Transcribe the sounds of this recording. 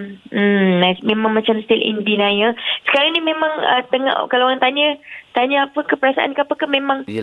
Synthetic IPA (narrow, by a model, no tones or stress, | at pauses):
m̩namẽmãŋmat͡ʃamst̪ilḭndinajasə̥kaɾaŋnimemãŋə̰t̪əŋa̰ʔkalaɾaŋt̪aɲət̪aɲəapəkəpəɾasa̰ʔa̰nkaapəkamẽmãŋ